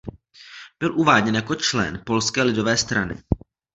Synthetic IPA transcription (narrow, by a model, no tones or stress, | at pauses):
b̥ɪlʔuvaːɟɲɛnjako̞t͡ʃlɛ̰npo̞lskɛːlɪdo̞vɛːst̪ɾanɪ̰